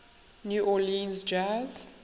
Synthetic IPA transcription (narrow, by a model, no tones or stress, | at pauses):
njuːʔɔlĩnzd͡ʒaz̥